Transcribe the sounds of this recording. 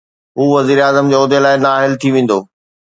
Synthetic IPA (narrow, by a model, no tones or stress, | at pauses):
ɦuːʋɐziːɾaːzəmd͡ʑeːʊd̪elaːɪnaːɦɪlt̪ʰiʋẽːn̆d̪oː